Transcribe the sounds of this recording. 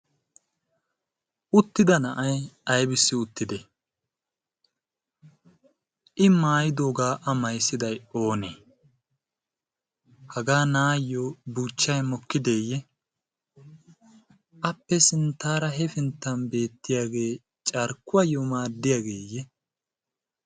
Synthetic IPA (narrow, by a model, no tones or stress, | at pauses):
ʊt̪ːɪd̪ɐnɐʔɐjɐjbɪsːɪʊt̪ːɪd̪ɛ | ʔɪmaːjɪd̪o̞ːɡaːʔɐmɐjsːɪd̪ɐjo̞ːnḛː | hɐɡaːnaːjːobuːt͡ʃːɐjmɔkːɪd̪eːjːɛ | ʔɐpːɛsɪnt̪ːaːɾɐɦɛfɪnt̪ːɐnbe̞ːt̪ːɪjaːɡe̞ː | t͡ʃʼɐɾkːʊɐjomaːd̪ːɪjaːɡeːjɛ